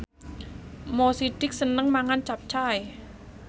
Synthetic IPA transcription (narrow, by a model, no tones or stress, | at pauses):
mosiɖ̥ɪk̚sənəŋmaŋant͡ʃap̚t͡ʃaj